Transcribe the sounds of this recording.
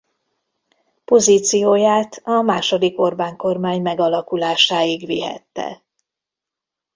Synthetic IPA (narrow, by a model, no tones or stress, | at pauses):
po̞ziːt̪sijoːjaːt̪ʰɒmaːʃo̞d̪iko̞rbaːŋko̞rmaːɲmɛɡɒlɒkulaːʃaːjiɡʋiɦɛ̰t̪ːɛ̰